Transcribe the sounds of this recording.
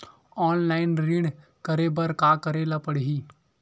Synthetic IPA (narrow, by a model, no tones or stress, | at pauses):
ɔːnlaːɪnɾiɽkəɾebəɾkaːkəɾeːlapəɽɦiː